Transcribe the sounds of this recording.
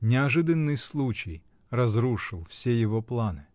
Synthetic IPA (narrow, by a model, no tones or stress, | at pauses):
nʲɪɐʐɨd̪ənːɨjslˠut͡ɕɪj | rɐzɾuʂɨlˠfsʲejɪvoplˠanɨ